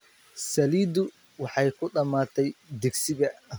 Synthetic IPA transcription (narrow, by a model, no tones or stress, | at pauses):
sɐliːd̪ʊ | wɑħɑjkʰʊɖɐmaːt̪ʰɛjd̪ɪɡsɪðɐ